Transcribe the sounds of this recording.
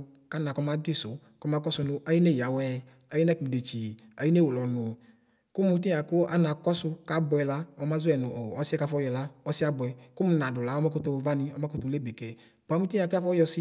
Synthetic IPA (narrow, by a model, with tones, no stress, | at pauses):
ka˦na˨kɔ˧ma˨˦di˦˨sʊ˨ | kɔ˧˦ma˧kɔ˦sʊ˧nʊ˧ʔa˨˦ji˦ne˦˨ja˨wɛ˦ | a˨˦ji˦nɛ˦ki˨de˨t͡ʃi˨a˨˦i˦ne˦˨u˨lɔ˨nʊ˨ | kʊ˦mu˧˦ti˦˨a˨kʊ˦a˦na˨kɔ˦sʊ˧ka˨bɛ˧la˦ɔ˧˦ma˦zʊ˦ɛ˨nʊ˨ɔ˨ɔ˨˦si˦ɛ˦ka˧fɔ˧˦jɔ˧˨la˦ɔ˧˦sɪ˦a˦bʊ˨ɛ˨kʊ˦mu˨˧˦na˨dʊ˨la˨˦ɔ˦ma˦ku˦tʊ˧va˦nɪ˧ɔ˧ma˦ku˦tʊ˧le˦be˨kɛ˨ | ba˨˦mu˦ti˦a˨ka˦fɔ˦jɔ˧sɪ˦